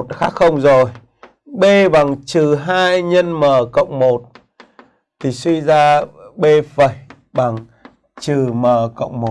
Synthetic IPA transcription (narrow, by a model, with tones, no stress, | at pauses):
t̚xaː˦˥k̚xə˧wŋ͡mzo˨˩j | ɓe˧ɓa˨˩ŋt͡ɕɨ˨˩ɦaː˧jɲə˧nməː˨˩kə̰˧˨wŋ͡mmo˨˩t̚ | t̪ʰi˨˩swi˧zaː˧ɓe˧və˨˩j | ɓa˨˧˩ŋ | t͡ɕɨ˨˩məː˨˩kə̰˧˨wŋ͡mmo˨˩